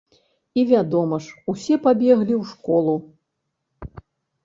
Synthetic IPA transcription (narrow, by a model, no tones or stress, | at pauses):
ivʲad̪ɔmɐʂusʲɛpabʲɛɣlʲiwʂkɔlˠu